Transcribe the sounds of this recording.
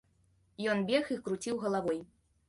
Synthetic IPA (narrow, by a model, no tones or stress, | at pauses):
jɔnbʲɛxixkɾut͡sʲiwɣɐlˠavɔj